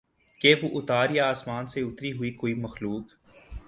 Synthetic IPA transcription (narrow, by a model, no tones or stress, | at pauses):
keʋoʔʊt̪aːɾjaaːsmaːnseʊt̪ɾiɦʊikoːimɐxluːk